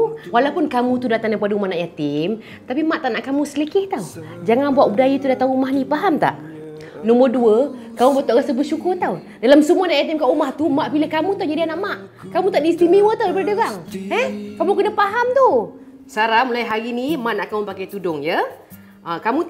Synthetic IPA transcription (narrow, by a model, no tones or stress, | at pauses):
walawpʊnkamũt̪udat̪aŋdap̬adaumahnaʔjat̪ɪm | t̪apimaʔt̪aʔnaʔkamũsəlikɪht̪aw | d͡ʒaŋanbuaʔbudajit̪udat̪aumahnipaɦamt̪a̰ʔ | nɔmərduəkamubat̪oʔɣasəbəsukʊrt̪aw | dalamsəmuanaʔjat̪ɪmkaʔumaht̪umaʔbiləkamut̪awd͡ʒadianaʔmaʔ | kamut̪aʔdiːst̪imewət̪awdabəɾdəɣaŋɛkamukənəhpaɦamt̪u | saɾamulaiɦaɾinimaʔnaʔkaupakajt̪udʊŋjə | əkamũ